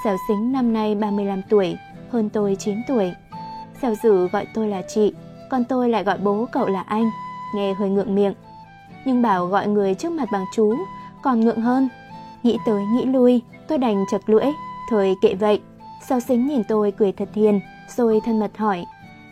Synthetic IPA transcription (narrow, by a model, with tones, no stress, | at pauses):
saː˨˧˩wsï˨˦ŋ̟na˧mna˧jɓaː˧mɨ˧əjla˧mt̪u˧˩əj | həː˧nt̪o˧jt͡ɕi˨˦nt̪u˧˩əj | sa˧˩wzɨ˧˩ɣɔ̰˧˨jt̪o˧jlaː˨˩t͡ɕḭ˧˨ | kɔ˨˩nt̪o˧jla̰ː˧˨jɣɔ̰˧˨jɓo˨˦kə̰˧˨wlaː˨˩ʔa˧jŋ̟ŋɛ˧ɦəː˧jŋɨ̰˧˨əŋmḭ˧˨əŋ | ɲɨ˧ŋɓaː˧˩wɣɔ̰˧˨jŋɨ˨˩əjt͡ɕɨ˦˥ək̚ma˨˩t̚ɓaː˨˩ŋt͡ɕu˨˦kɔ˨˩nŋɨ̰˧˨əŋɦəː˧n | ŋḭ˧˥t̪əː˨˦jŋḭ˧˥lu˧j | t̪o˧jɗa˨˩jŋ̟t͡ɕə˨˩t̚lɨ̰˧˥əjt̪ʰəː˨˩jkḛ˧˨və̰˧˨j | saː˨˦wsï˨˦ŋ̟ɲi˨˩nt̪o˧jkɨ˨˩əjt̪ʰə˨˩t̚hḭ˧˨ən | z̥o˧jt̪ʰə˧nmə˨˩t̚hɔ˧˩j